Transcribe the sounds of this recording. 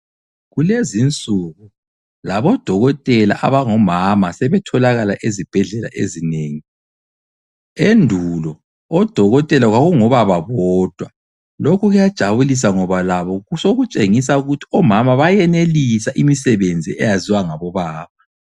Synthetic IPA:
ɣulezint͡sʼuɣu | laβɔd̥ʱɔɣɔtʼɛla̰ʔa̰βaŋɔmamasɛβɛtʰɔlaɣalaʔezib̥ʱɛɮɛla̰ʔezineːŋi | endʱulɔ | ɔd̥ʱɔɣɔtʼɛlaɣwaɣuŋɔβaβaβɔːd̥ʱwa | lokʰuɣujad̥ʒ̥ʱaβulis̬aŋɔβalaβɔusoɣut͡ʃʼeŋis̬auɣutʰi̥ɔmamaβajɛnelisaʔimisɛβend͡zʱiɛjaziwaŋaβɔβaːβa

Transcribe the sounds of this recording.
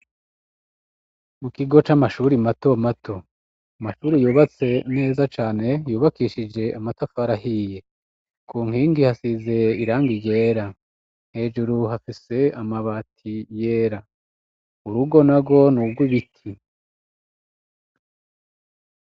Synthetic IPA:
mukiɡo̞t͡ʃamaʃuːɾimato̞matʰo̞ | amaʃuːɾijuːβat͡se̞n̥e̞ːzat͡ʃaːne̞juːβakiːʃid͡ʒe̞ʔamatofaɾahiːje̞ | kuːŋ̥hiːŋɡihasizeiɾaːŋɡije̞ːɾa | n̥he̞ːd͡ʒuɾuɦafise̞amaβatʰijeːɾa | uɾuɡo̞naɡo̞nuɡwiβitʰi

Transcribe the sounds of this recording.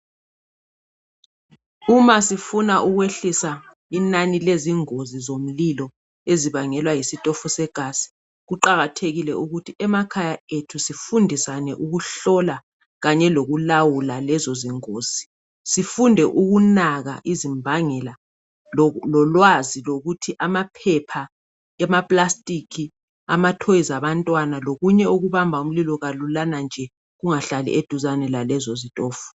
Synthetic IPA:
umasifunaʔuɣweɬisa | inanileziŋozizom̩lilɔ | eziβaŋɛlwajisitʼɔfusɛɡ̥ʱasi̥ | ɣuǃaɣatʰeɣilɛuɣutʰiɛmakʰajaetʰusifundʱisanɛʔuɣuɬɔla | ɣaɲɛloɣulawulalɛzoziŋoːz̥i̥ | sifundʱɛʔuɣunaɣa̰ʔizimbʱaŋɛla | lɔlwaziloɣutʰiʔamapʰɛpʰa | ɛmapʼlastʼikʰi | a̰matʰojizaβantʼwanaloɣuɲɛuɣuβambʱaum̩lilɔɣalulanand͡ʒʱɛ | ɣuŋaɬalḭʔed̥ʱuzanɛlalɛzozitʼɔːfu̥

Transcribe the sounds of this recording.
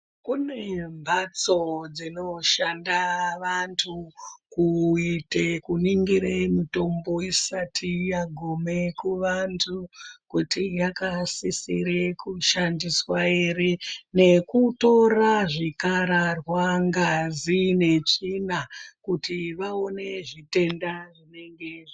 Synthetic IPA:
kune̞mbʱat͡so̞d͡zino̞ʃandaʋantʰukuitekuniŋɡiɾeimito̞mbo̞isatʰijaɡʱome̞kuʋantʰukutijakasisḭɾekuʃandiswaeɾene̞kuto̞raʐikaɾarwaŋɡazine̞t͡ʂinakutiʋao̞ne̞ʐite̞ndaʐine̞ŋɡeʐi

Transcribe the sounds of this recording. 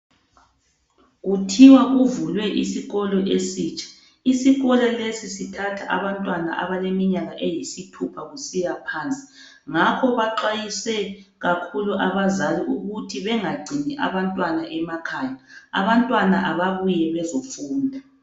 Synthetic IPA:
ɣutʰiwaɣuvulwɛʔisiɣɔlɔʔesiːt͡ʃʼḁ | isiɣɔlɔlesisitʰatʰaʔa̰βantʼwanaʔa̰βalemiɲaɣaʔejisitʰupʰaɣusijapʰaːnt͡sʼi̥ | ŋakʰɔβaǃajisɛɣakʰuluʔaβazaliʔuɣutʰiβɛŋaɡ͡ǀʱiniʔa̰βantʼwanaʔɛmakʰajaa̰βantʼwanaʔaβaβujɛβɛzofuːndʱa

